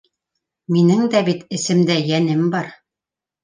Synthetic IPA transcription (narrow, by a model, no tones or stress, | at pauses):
minɘŋd̪æbit̪ɘ̆sɘ̆md̪æjænɘmbɑɾ